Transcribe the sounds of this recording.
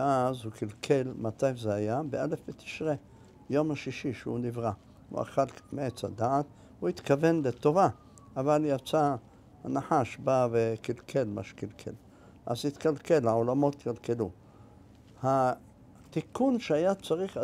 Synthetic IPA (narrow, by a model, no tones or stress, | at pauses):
ʔazhukilkʰe̞lmat̪ajzeajabeʔalefvet̪i̥ʃʁe | jo̞mhaʃiʃiʃeunivʁa | hṵa̰χalmeʔet͡sa̰d̪aʕat̪ | huit̪kave̞nlet̪o̞va | ʔavaljat͡sa | hanaħaʃbavekilkʰe̞lma̰ʃe̥kilkʰḛl | ʔa̰zhit̪kalke̞laolamo̞t̪kalke̞lu | ha | t̪ikunʃeajat͡saʁiχ